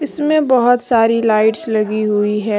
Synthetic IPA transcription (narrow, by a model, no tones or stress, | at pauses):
ɪsmẽbɐɦʊt̪saːɾilaːɪʈslɐɡiɦʊiɦɛ̃ː